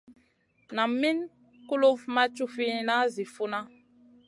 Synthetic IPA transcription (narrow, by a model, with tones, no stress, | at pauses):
na˨mːi˦n | ku˦lo˦vma˦t͡ʃu˦fi˦na˦zi˨fu˦na˦